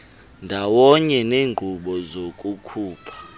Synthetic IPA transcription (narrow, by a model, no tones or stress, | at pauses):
ndʱawɔɲɛneːŋŋ͡ǃʱuɓɔzokʼukʰuːpʰḁ